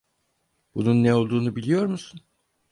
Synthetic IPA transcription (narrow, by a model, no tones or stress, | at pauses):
b̥ununːɛo̞lˠd̪uːnubilʲijo̞ɾmusun